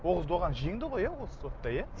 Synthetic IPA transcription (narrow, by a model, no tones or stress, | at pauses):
wo̞ʁəzd̪oʁɑnʒijɪŋd̪ɪʁo̞jɑwo̞lsə̥so̞t̪ːɑjɑ